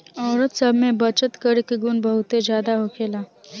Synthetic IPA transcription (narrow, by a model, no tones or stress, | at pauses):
ɔːɾət̪səbʱmẽbət͡ʃət̪kəɾɪkɡunbəɦʊt̪ed͡ʒjaːd̪aɦokʰeːlaː